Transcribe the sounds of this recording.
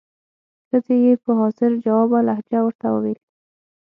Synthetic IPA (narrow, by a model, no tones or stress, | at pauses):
xəzejepəɦɑsɪɾd͡ʒawɑbalahd͡ʒawəɾt̪awə̰wele